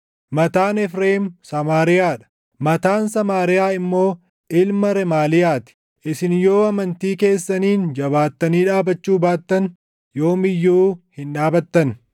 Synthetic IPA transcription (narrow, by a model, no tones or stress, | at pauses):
mɐt̪aːnɛfɾeːmsɐmaːɾɪjaːᶑɐ̥ | mɐt̪aːnsɐmaːɾɪjaːɪmːo̞ː | ʔɪlmɐɾɛmaːlɪjaːt̪ɪ̥ | ʔɪsɪnjo̞ːɐmɐnt̪iːke̞ːsːɐniːnd͡ʒɐβaːt̪ːɐniːᶑaːbɐt͡ʃːuːbaːt̪ːɐn | jo̞ːmɪjːuːhɪnᶑaːbɐt̪ːɐn